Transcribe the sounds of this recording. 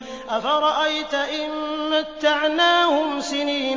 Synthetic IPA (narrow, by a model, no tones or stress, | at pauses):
ʔafaɾˤɑʔajt̪aʔɪnːat̪ːaʕnaːhʊmsɪniː